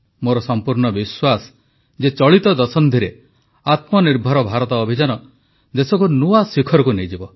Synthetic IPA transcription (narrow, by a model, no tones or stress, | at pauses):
moɾɔsɔmpuɾɳɔbiswasɔ̥ | d͡ʒet͡ʃɔɭit̪ɔd̪ɔsɔnd̪ʱiɾe | at̪mɔniɾbʱɔɾɔbʱaɾɔt̪ɔːbʱid͡ʒanɔ | d̪esɔkunuasikʰɔɾɔkunejd͡ʒibɔ